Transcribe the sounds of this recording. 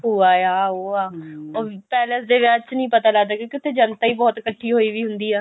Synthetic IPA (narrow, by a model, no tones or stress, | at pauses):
ɦuːaːjaːoːaːoːpɛːləsd̪eːʋet͡ʃnəĩːpət̪aːləɡd̪aːkjõːkiɪʊt̪ʰːeːd͡ʒənt̪aːiːbɔːt̪kəʈʰːiːɦoːiːʋiːɦʊnd̪iːɛː